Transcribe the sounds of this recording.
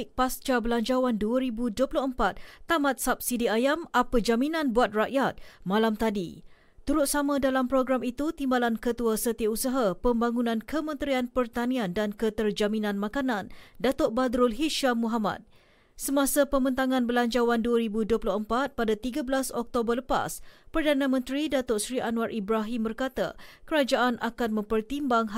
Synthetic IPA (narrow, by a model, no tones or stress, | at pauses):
k̚past͡ʃabəlaɲd͡ʒawanduaɾibuduəpulʊxəmpat̪̚t̪ːamat̪̚sap̚sidiajamapəd͡ʒaminãnbuat̪̚raʔjat̪̚mãlamt̪adḭ | t̪uɾʊt̪̚samãdalampɾoɡɾamit̪ut̪imbalankət̪uasət̪iausaɦapəmbaŋunãnkəmə̃nt̪ɾianpərt̪aniandankət̪ərd͡ʒaminãnmãkanãndat̪oʔ̚bad̪ɾʊlɦiʃamũɦama̰t̪̚ | səmasapəmənt̪aŋãnbəlaɲt͡ʃawanduaɾibuduəplʊhəmpat̪̚padat̪iɡabəlasɔk̚t̪obərləpa̰spərdanãmə̃nt̪ɾidat̪oʔsɾiʔanuarʔibɾaɦimbərkat̪a̰kəɾad͡ʒaʔanʔakanmə̃mpərt̪imbaŋ